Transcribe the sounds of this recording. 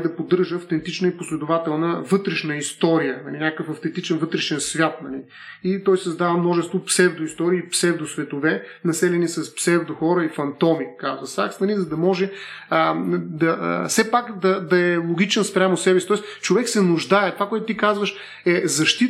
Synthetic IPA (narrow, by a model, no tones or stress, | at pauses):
d̪ɐpod̪ɤɾʒəɐft̪ɛnt̪it͡ʃnəiposlɛd̪ʊvat̪ɛlˠnəvɤt̪ɾɛʃnəist̪ɔɾijənɐ̰linʲjakəfɐft̪ɛnt̪it͡ʃɛnvɤt̪ɾɛʃɛnsvʲjat̪nɐli | it̪ɔjsɐzd̪avəmnɔʒɛst̪vopsɛvd̪ʊist̪ɔɾiːpsɛvd̪ʊsvɛt̪ʊvɛnɐsɛlɛnisɐspsɛvd̪oxɔɾəifɐnt̪ɔmikazvəsa̰ksnɐlizɐd̪ɐmɔʒɛ | əd̪ɐfsɛpakd̪ɐd̪ɐɛlˠoɡʲit͡ʃɛnspɾʲamʊsɛbɛsit̪ɔɛst͡ʃovɛksɛnʊʒd̪ajɛt̪ovakoɛt̪ʊt̪ikazvəʃ | ɛzɐʃt̪it̪